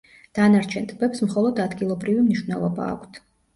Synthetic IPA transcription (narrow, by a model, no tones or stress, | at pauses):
d̪̥anaɾt͡ʃʰɛnt̪ʼbɛpsmχɔlˠɔd̪ad̪ɡilˠɔbɾivimniʃwnɛlˠɔba̰ːkʷʰt̪ʰ